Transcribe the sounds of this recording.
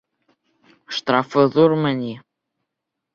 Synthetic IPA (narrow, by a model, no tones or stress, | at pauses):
ʃt̪ɾɑfɤ̆ðurmɘ̆nʲi